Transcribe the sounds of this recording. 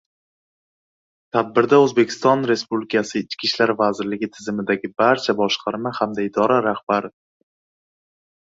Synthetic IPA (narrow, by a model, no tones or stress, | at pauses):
t̪ʰad̪̚bɪɾd̪aɵzbe̞kʲʰɪ̥st̪ɒnɾe̞spublɪkʰasɪɪt͡ʃkʲʰiʃlaɾvazɪɾlɪɡʲɪt̪ʰɪzɪmɪd̪aɡʲɪbaɾt͡ʃʰabɒʃqʰɑɾmahamd̪aɪd̪ɒɾaɾahb̥aɾɪ